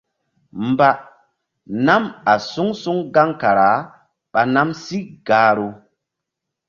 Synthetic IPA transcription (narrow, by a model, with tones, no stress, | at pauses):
mba˦ | na˦ma˨su˦ŋsu˦ŋɡa˦ŋka˨ɾa˨˦ | ɓa˨na˦msi˦ɡaː˨˦ɾo˦